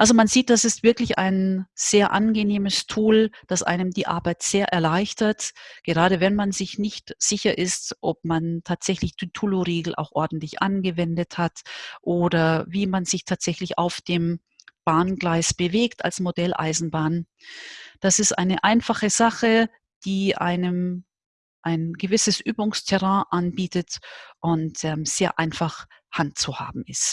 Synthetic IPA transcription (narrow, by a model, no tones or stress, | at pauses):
ʔalzomanziːt̚d̥asɪstv̥ɪɐklɪça̰ɪnz̥eːɐʔanɡəneːməstʰuːld̥asʔa̰ɪnəmdiːʔa̰ɐbaɪtz̥eːɐʔɛɐlaɪçtɐtɡ̥əʁaːɾəvɛnmanzɪçnɪçtz̥ɪçɐʔɪstʔɔp̚mantʰaːtz̥ɛçlɪçtʰytʰuloʁeːɡl̩ʔa̰ʊxʔɔɐdn̩tlɪçʔanɡəvɛndəthatʔoːdɐviːmanzɪçtʰaːtz̥ɛçlɪça̰ʊfd̥eːm | b̥aːnɡlaɪsb̥əveːkta̰lsmodɛlʔa̰ɪzn̩baːn | d̥asɪstʔaɪnəʔaɪnfaχəzaχə | d̥iːʔa̰ɪnəm | ʔaɪnɡəvɪsəsʔyːbʊŋstʰɛʁãːʔanbiːtətʔʊntʔɛːmz̥eːɐʔaɪnfaχhant̚t͡suha̰ːbm̩ɪst